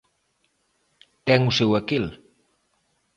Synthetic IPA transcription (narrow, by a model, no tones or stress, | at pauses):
t̪ɛŋusewakil